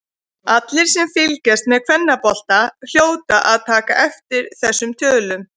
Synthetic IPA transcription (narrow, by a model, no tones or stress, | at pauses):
at̪lɪɾ̥sɛmfɪlcɛst̪mɛðkʰvɛnːapɔl̥t̪al̥joːwt̪aʔaðt̪ʰaːkaʔɛft̪ɪɾθɛsːʏmt̪ʰœːlʏm